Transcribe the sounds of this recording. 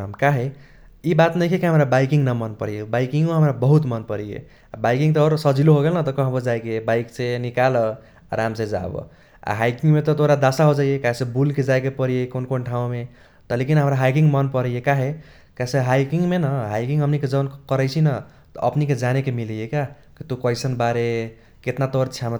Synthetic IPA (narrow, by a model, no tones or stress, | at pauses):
mkaɦe | ibat̪nʌjkʰekeɦʌmɾabajkiŋnʌmʌnpʌɾijebajkiŋeɦʌmɾabʌɦut̪mʌnpʌɾijḛ | abajkiŋt̪ʌːɾsʌd͡zʱiloɦoɡelnʌt̪ʌkʌɦbʌd͡zajkebajkt͡senikalʌ | ɾamt͡sed͡za̰bʌ̰ | a̰ɦajkiŋɡmet̪ʌt̪ʰoɾad̪asaɦod͡ʒajekaɦesẽbulked͡ʒajk̬epʌɾijekonkonʈʰaũme | t̪ʌlekinɦəmɾaɦajk̬iŋɡmʌnpʌɾəjekaɦe | kasẽɦajkiŋɡmenʌɦajkiŋɡɦʌmniked͡ʒʌnkʌɾəjt͡ʃʰinʌ | t̪ʌ̰ʔʌ̰pniked͡ʒanekemilijeka | kit̪okɔjsʌnbaɾe | ket̪nat̪oɾt͡ʃʰam